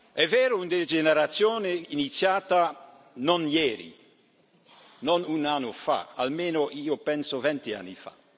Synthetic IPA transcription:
ɛvɛːɾound̪eld͡ʒeneɾat̪sːjoːneinit̪sjaːt̪a | nonjɛːɾḭ | nonunanːofa̰a̰lmeːnoʔiːopɛnsovɛnt̪ia̰nːifa̰

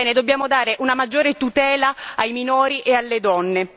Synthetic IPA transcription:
ɛːned̪obːjaːmod̪aːɾeʔunamad͡ʒːoːɾet̪ut̪ɛːlaajminoːɾiʔealːed̪ɔnːe

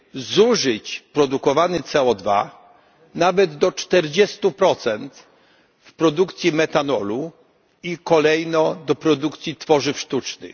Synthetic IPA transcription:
zuʐɘt͡ɕpɾɔd̪ukɔvanɘt̪sɛɔd̪va̰ | navɛd̪ːɔt͡ʂt̪ɛɾd͡ʑɛst̪upɾɔt̪sɛnt̪ | fpɾɔd̪ukt̪sʲjimɛt̪anɔlu | ikɔlɛjnɔd̪ɔpɾɔd̪ukt̪sʲit̪fɔʐɘfʂt̪ut͡ʂnɘ̰

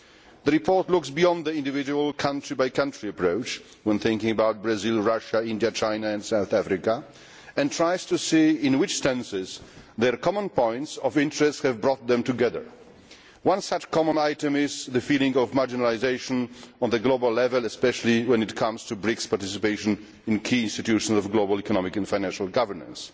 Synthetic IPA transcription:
ðəɹɨpʰɔɹtlʊksbiɑ̃nðiɪ̃ndɨvɪd͡ʒuwəlˠkʰʌ̃ntɹ̥ibaɪkʌ̃ntɹ̥iɨpʰɹ̥oʊt͡ʃ | wə̃nθɪ̃ŋkɪ̃ŋɨbaʊt̚b̥ɹɨzɪlˠɹʌʃəɪ̃ndjɨt͡ʃʰãɪ̃naɨ̃nsaʊθæfɹɨkə | ɨ̃ntʰɹ̥aɪz̥tʰɨsiɪ̃nwɨt͡ʃstɛ̃nsɪzðə˞kʰɑmə̃npʰɔ̃ɪ̃ntsʌvɪ̃ntɹ̥ɛstshɨvbɹɔt̪̚ðɛ̃mtɨɡɛðə̰˞ | wʌ̃nsʌt͡ʃkʰɑmə̃naɪtɨ̃mɪzðɨfilˠɪ̃ŋʌvmaɹd͡ʒɨnəlɪzeɪʃə̃nə̃nðɨɡloʊbəlˠɛvəlˠɨspɛʃl̩ˠiwɛ̃nɨtkʰʌ̃mz̥tʰubɹɪkspaɹtɪsɨpeɪʃɨ̃n | ɨ̃nkʰiɪ̃nstɨtʉʃə̃n̩zɔvɡloʊbəlˠikənɔmɪkɨ̃nfãɪnæ̃nʃəl̩ˠɡʌvə˞nə̰̃ns

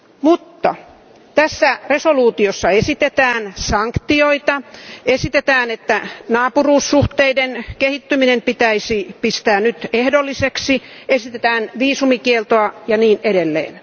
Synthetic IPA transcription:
mut̪ːɑ̰ | t̪æsːæresoluːt̪iosːɑesit̪et̪æːnsɑŋkt̪ioit̪ɑesit̪et̪æːnet̪ːænɑːpuruːsːuht̪eidenkehit̪ːyminempit̪æisipist̪æːnyt̪ehdolːiseksi | esit̪et̪æːnʋiːsumikielt̪oɑjɑniːneɾelːḛːn

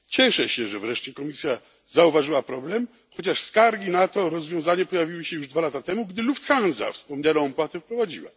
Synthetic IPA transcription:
t͡ɕɛʂɛɕɛʐɛvɾɛʂt͡ɕɛkɔmʲisʲja | zauvaʐɨwapɾɔblɛm | xɔt͡ɕaʂskaɾɡʲinat̪ɔɾɔzvʲjɔ̃w̃zaɲɛpɔjavʲiwɨɕɛjuʐd̪valat̪at̪ɛmuɡd̪ɘluft̪xãnza̰fspɔmɲanaːmpwat̪ɛfpɾɔvad͡ʑḭwa̰

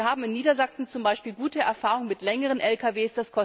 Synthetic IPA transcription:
ɐhaːbm̩ɪnːiːdɐzaksn̩t͡sʊmbaɪʃpiːlɡuːtəɛ̰ɐfaːʁʊŋmɪtlɛŋəʁ̞ənʔɛlkaveːsd̥askʰɔ

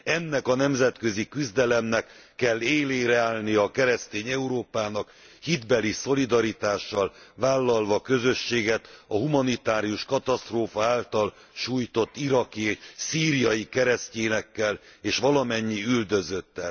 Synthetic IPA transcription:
ɛnːɛkɒnɛmzɛt̪kø̞zikyzd̪ɛlɛmnɛkː | ɛlːeːleːɾɛaːlnijɒkɛɾɛst̪eːɲɛuɾoːpaːnɒk | hid̪bɛliso̞lid̪ɒɾit̪aːʃːɒlvaːlːɒlvɒkø̞zø̞ʃːeːɡɛt̪ɒɦumɒnit̪aːɾijuʃkɒt̪ɒst̪roːfɒaːlt̪ɒl | ʃuːjt̪o̞t̪ːiɾɒkieːʃsiːɾijɒjikɛɾɛsceːnɛkːɛleːʃʋɒlɒmɛɲːiyld̪ø̞zøt̪ːɛl

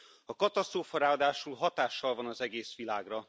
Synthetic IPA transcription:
ɒkɒt̪ɒst̪roːfɒɾaːɒd̪aːʃulɦɒt̪aːʃːɒlvɒnɒzɛɡeːsʋilaːɡrɒ

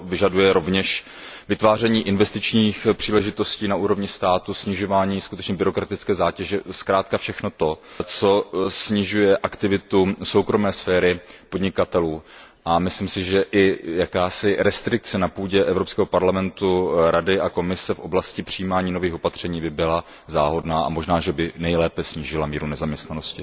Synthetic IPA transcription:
vɪʒadujɛɾo̞vɲɛʃ | vɪt̪vaːrɛɲiːʔɪnvɛst̪ɪt͡ʃɲiːxpr̝̥iːlɛʒɪt̪o̞sciːnaʔuːɾovɲɪst̪aːt̪usɲɪʒo̞vaːɲiːskut̪ɛt͡ʃɲɛbɪɾo̞kɾat̪ɪt͡skɛːzaːcɛʒɛskɾaːt̪kafʃɛxno̞t̪o̞t͡so̞sɲɪʒujɛʔakt̪ɪvɪt̪uso̞wkɾo̞mɛːsfɛːɾɪpodɲɪkat̪ɛluː | ʔamɪslɪmsɪʒɛʔɪjakaːsɪɾɛst̪ɾɪk̚t͡sɛnapuːɟɛʔɛvɾopskɛːɦo̞paɾlamɛnt̪uɾadɪʔako̞mɪsɛfʔo̞blascɪpr̝̥ɪjiːmaːɲiːno̞viːxo̞pat̪r̝̥ɛɲiːbɪbɪla | zaːɦo̞dnaːʔa̰moʒnaːʒɛbɪnɛjlɛːpɛsɲiːʒɪlamiːɾunɛzamɲɛst̪nanoscɪ

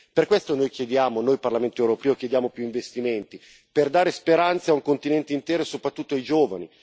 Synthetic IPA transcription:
perkwɛst̪onoːjkjed̪jaːmonoːjparlament̪oewɾopɛːokjed̪jaːmopjuiɱvest̪iment̪i | perd̪aːɾespeɾant̪sauŋkont̪inɛnt̪eint̪ɛːɾosopɾat̪ːut̪ːoaid͡ʒoːvani

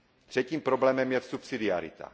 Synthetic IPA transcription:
t̪r̥ɛciːmpɾoblɛːmɛmjɛsupsid̪iaɾḭt̪a̰

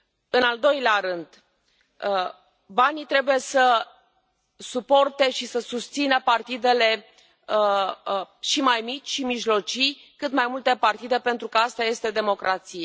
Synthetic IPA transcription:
ɨnald̪o̞jleaɾɨnd̪ | banit̪ɾe̞buje̞sə | supo̞rt̪e̞ʃisəsust̪sinəpart̪id̪e̞le̞ | ʃimajmit͡ʃʲʃimiʒlo̞t͡ʃij | kɨt̪majmult̪e̞part̪id̪e̞pe̞nt̪ɾukəast̪aje̞st̪e̞d̪e̞mo̞kɾat̪sije

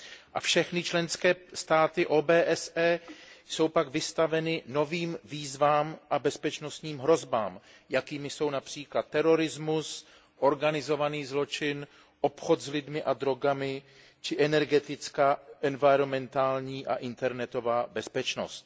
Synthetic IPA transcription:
ʔa̰fʃɛxnɪt͡ʃlɛnskɛːst̪aːt̪ɪʔoːbɛːʔɛsɛːso̞wpaɡvɪst̪avɛnɪno̞viːmviːzvaːmʔabɛspɛt͡ʃno̞st̪ɲiːmɦɾo̞zba̰ːm | jakiːmɪso̞wnapr̝̥iːklat̪ːɛɾo̞ɾɪzmus | ʔo̞ɾɡanɪzo̞vaniːzlo̞t͡ʃɪn | ʔo̞pxo̞t̪zlɪdmɪʔad̪ɾo̞ɡamɪ | t͡ʃɪʔɛnɛɾɡɛt̪ɪt͡skaːʔɛnvajɾo̞mɛnt̪aːlɲiːʔa̰ʔɪnt̪ɛɾnɛt̪o̞vaːbɛspɛt͡ʃno̞̰st̪

